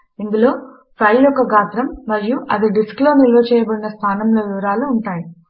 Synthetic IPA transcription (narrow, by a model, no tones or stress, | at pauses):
ind̪ulo̞ː | pʰɐjljɔkːɐɡaːt̪ɾɐmːɐɾijuʔɐd̪iɖiskloːnilːo̞ːt͡ʃɛːjɐbɐɽinɐst̪ʰaːnɐmlo̞ːʋiʋɐɾaːluːɳʈaːji